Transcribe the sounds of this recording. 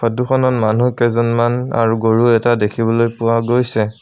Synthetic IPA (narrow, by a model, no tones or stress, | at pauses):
pʰɔduxʰɔnɔtmanukɛzɔnmana̰ɹuɡoɹuɛtadekʰibɔlojpʊwaɡojsɛ